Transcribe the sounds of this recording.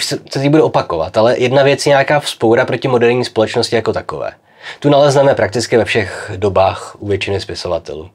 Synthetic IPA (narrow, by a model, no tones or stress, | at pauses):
sɛsɛt̪ibudɛopako̞va̰t̪ʔalɛjɛdnavjɛt͡sjɛɲakaːfspowɾapɾo̞cɪmo̞dɛɾɲiːspo̞lɛt͡ʃno̞scɪjako̞t̪ako̞̰vɛ̰ː | t̪unalɛznɛmɛpɾʔak̚t̪ɪt͡skɪvɛfʃɛxdo̞baːxʔuvjɛt͡ʃɪnɪspɪso̞vat̪ɛ̰lṵː